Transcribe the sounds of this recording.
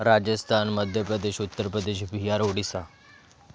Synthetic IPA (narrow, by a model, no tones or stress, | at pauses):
ɾad͡ʑəst̪ʰanməd̪ʱjəpɾəd̪eɕut̪ːəɾpɾəd̪eɕbʱijaɾoɽisa